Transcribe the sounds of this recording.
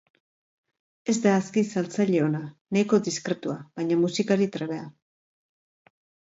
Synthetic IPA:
e̞zd̪aːskisalt͡saʎe̞o̞nanejko̞d̪iskɾe̞t̪uaβajɲamusikaɾit̪ɾeβ̞e̞a

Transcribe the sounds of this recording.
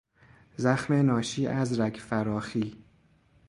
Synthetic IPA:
zæxmenɒːʃiːʔæzɾæɡfæɾɒːxiː

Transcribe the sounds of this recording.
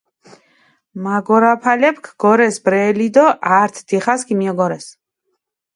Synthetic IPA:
maɡɔɾapʰalɛp̚ʰkʰɡ̥ɔɾɛsbɾɛlid̪ɔʔaɾt̪ʰd̪̥iχaskʰimiɔɡɔɾɛs

